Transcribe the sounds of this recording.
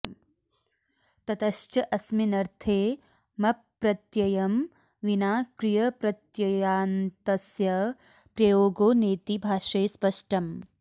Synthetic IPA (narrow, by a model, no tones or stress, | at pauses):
t̪ɐt̪ɐʃt͡ʃɐʔɐsminɐɾt̪ʰeː | mɐ | ɾɐt̪jɐjɐm | ʋinaːkɾijɐpɾɐt̪jɐjaːnt̪ɐsjɐ | pɾɐjoːɡoːneːt̪ibʱaːʃeːspɐʂʈɐm